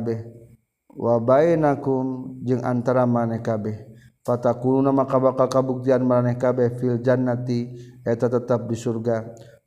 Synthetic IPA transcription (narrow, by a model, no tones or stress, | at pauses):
bɛh | wʔabainakumd͡ʒɨŋa̰nt̪aɾamanɛhkabɛh | pat̪akulunamakabakakabuk̚t̪ianmaɾanɛhkabɛhfild͡ʒanːat̪iɛt̪at̪ət̪ap̚disurɡa